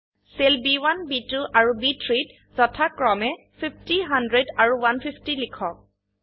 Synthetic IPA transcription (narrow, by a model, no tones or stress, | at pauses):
selbiwanbituʔaɹubitʰɹit | zɔtʰakɹɔmɛ | pʰiptiɦandɹedaɹuwanpʰipʰtilikʰɔk̚